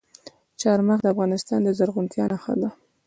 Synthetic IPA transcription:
t͡ʃɑɾmaxd̪əafɣɑnɪst̪ɑnd̪əzaɾɣunt̪ʰjɑnaxə̰d̪a

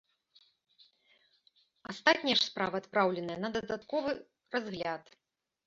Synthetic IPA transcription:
ast̪at̪ʲnʲjɛʂspɾavɐːt̪pɾawlʲɛnɐjɐnɐd̪ɐd̪at̪kɔvɨ | razɣlʲat̪

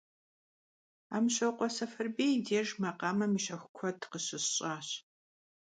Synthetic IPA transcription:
a̰ːmɕɐwqʷɔsɐfɐrbeːdeːʒmɐqɑːmɐmɨʃɐxʷʊkʷʰɔtʰqəɕɪɕɕʼaːɕ

